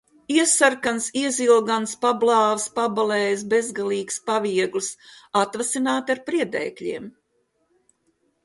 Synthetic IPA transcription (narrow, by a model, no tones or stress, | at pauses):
iɛsaɾkansiɛzilˠɡanspablˠɑːvspabalɛːjs̬be̞zɡalˠiːkspaviɛɡlɨsat̪vasinaːt̪aɾpɾiɛd̪ɛ̰ːkʎʲḭɛm